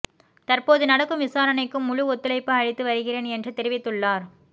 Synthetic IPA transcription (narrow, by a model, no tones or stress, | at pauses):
t̪ɐrpoːðɯnɐɽɐkːɯmʋɪsaːɾɐnɐɪkːɯmːʊɻʊɔt̪ːɪlɐɪpːɯɐɻɪt̪ːɯʋɐɾɯɣɪreːnɛndrɯt̪ɛɾɪʋɪt̪ːɯɭːaːɾ